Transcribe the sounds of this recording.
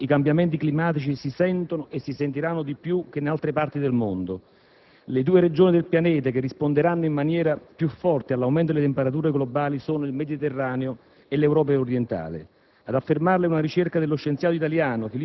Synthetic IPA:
ikambjamɛnt̪̬iklimaːt̪it͡ʃisisɛnt̪onoʔesːisent̪̬iɾanːod̪ipːjuk̟ːenalt̪ɾepart̪id̪elmond̪o | led̪uːeɾed͡ʒoːnid̪elpjanɛːt̪̬ak̟erːispond̪eɾanːoimːanjɛːɾapjufːɔrt̪ealːawmɛnt̪od̪elet̪̬empeɾat̪̬uːɾeɡlobaːlisoːnoilmed̪it̪erːaːneo | elewɾɔːp̬aoɾjent̪a̰ːlɪ̰ | ad̪afːermarleunaɾit͡ʃerkad̪elːoʃːent̪sjaːt̪oit̪aljaːnofili

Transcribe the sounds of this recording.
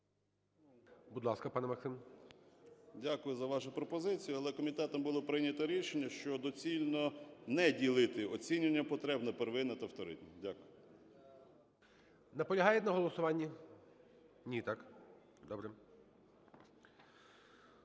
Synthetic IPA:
bud̪lˠɑskɐpɑnmɐksɪm | dʲakʊjʊzɐʋɑʃʊpɾɔpɔzɪt͡sʲijʊɐlˠɛkɔmʲit̪ɛt̪ɔmbʊlˠɔpɾɪnʲɐt̪ɐɾʲiʃenʲːɐʃt͡ʃɔd̪ɔt͡sʲilʲnɔnɛdʲilˠɪt̪ɪɔt͡sʲinʲɪnʲːɐpɔt̪ɾɛbnɛpeɾeʋɪnɐt̪ɐft̪ɔɾɪ̰t̪ʲnʲidʲakʊjʊ | nɐpɔlʲɐɦɑjɛt̪ʲnɐɦɔlˠɔsʊʋɑnʲːi | nʲit̪ɑk | d̪ɔbɾɛ

